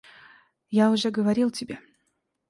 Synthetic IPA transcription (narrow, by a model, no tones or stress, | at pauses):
jaʊʐɛɡəvɐɾʲilˠtʲɪbʲe